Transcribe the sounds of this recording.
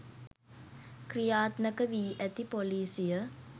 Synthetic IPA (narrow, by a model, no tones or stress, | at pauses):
krijaːt̪nəkəʋiːʔæt̪ipoliːsijə